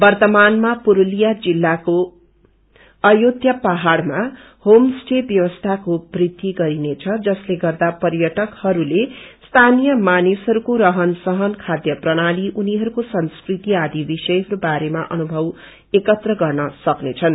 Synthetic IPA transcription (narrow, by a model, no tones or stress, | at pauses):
bʌrt̪ʌmanmapuɾulijad͡zilːako | ʌjod̪ʱjʌpaɦaɽma | homsʈebjʌwʌst̪ʰakobrid̪iɡʌɾinet͡sʰʌd͡zʌsleɡʌrd̪apʌrjʌʈʌkhʌɾulest̪ʰanijʌmanisɦʌɾukoɾʌɦʌnsʌɦʌnkʰad̪jʌprʌɽ̃aliʔuniɦʌɾukosʌnskrit̪iad̪ibisʌjɦʌɾubaɾemaʔʌnubʱʌw | ekʌt̪rʌɡʌrnʌsʌknet͡sʰʌn